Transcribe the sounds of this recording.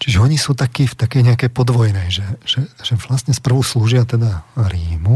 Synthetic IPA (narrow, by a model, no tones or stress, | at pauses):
t͡ʃiʒɛɔɲisuːt̪akiːft̪akɛjɲɛakɛjpɔd̪ʋɔjnɛjʒɛʒ̥ɛʒ̥ɛʋlast̪ɲɛspr̩ɦusluːʒɪat̪ɛd̪aɾiːmu